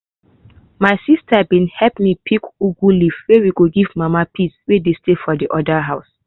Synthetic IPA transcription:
maɪsistʰabĩnhɛpmipʰikuɡulifwewiɡoɡivmamapʰiswedestefɔdiʔɔdaɦaʊs

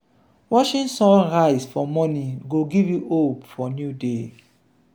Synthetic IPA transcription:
wɔʃĩnsɔ̃ɹaɪsfɔmɔnĩɡoɡivjuʔopfɔnjude

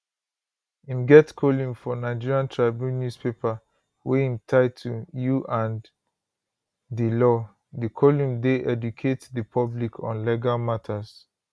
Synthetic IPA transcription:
ĩmɡɛtkʰolũmfɔnaɪd͡ʒiɹiãntʰɹaɪbjũnːjuspepa | wehĩmtʰaɪtʰujuʔãn | dilɔ | dikʰɔlũmdeʔɛdukʰetdəpʰɔblikʰɔ̰̃nlɛɡalmatʰas

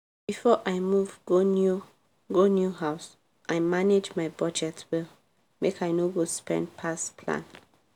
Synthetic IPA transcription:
b̥ifɔʔaɪmuvɡonu | ɡonjuɦaʊs | ʔaɪmaned͡ʒmaɪbɔd͡ʒɛtwɛl | mekʰaɪnoɡospɛ̰̃ndpʰaspʰlã̰n

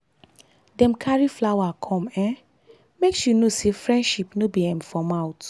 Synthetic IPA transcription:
dɛ̃mkʰaɹiflawakʰɔ̃mɛ̃ | meksjunosefɹɛ̃ndʃipnobiɛ̃mfɔmaʊt

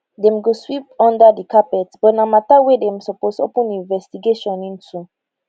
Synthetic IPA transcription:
dɛ̃mɡoswip̚ɔ̃ndadikʰapɛtsb̥ɔtnamatawedɛ̃msɔposo̰pə̃nĩnvɛstiɡeʃɔ̃nĩntʰu

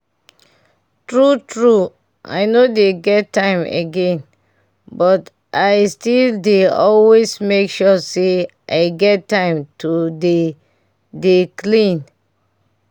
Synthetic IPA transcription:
tɹutɹu | ʔa̰ɪnodeɡɛtːãɪ̃mḛɡẽn | bɔt | ʔaɪstildeɔlwesmekʃɔse | ʔaɪɡɛtːãɪ̃mtʰude | deklĩn

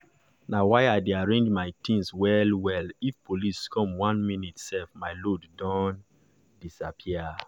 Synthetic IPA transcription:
nawajajdeaɹẽnd͡ʒmajtʰĩnswɛlwɛlifpoliskʰɔ̃mwãnminitsɛfmajloddɔ̃n | disapʰiə

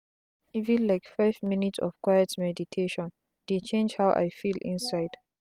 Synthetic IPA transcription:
ivĩnlaɪkfaɪvminitsɔ̰v̥kwajɛtmɛditʰeʃɔ̃n | d̥et͡ʃẽnd͡ʒhawʔa̰jfilʔḭ̃nsaɪd̥

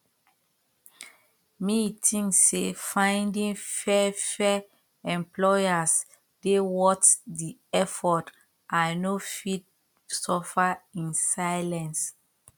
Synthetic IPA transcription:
mitʰĩŋsefãj̃ndĩŋfɛfɛ | ɛ̃mplɔjas | d̥ewɔtdiɛfɔt | ʔãnofid̚ | sɔfaĩnsajlɛ̃ns

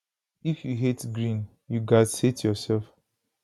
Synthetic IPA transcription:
ifjuɦetɡɹĩn | juɡadsetʰjɔsɛlf

